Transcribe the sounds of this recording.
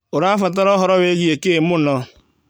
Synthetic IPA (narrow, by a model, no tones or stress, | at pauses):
ʊɾafat̬aɾɔɦɔɾɔweɡiekemʊnɔ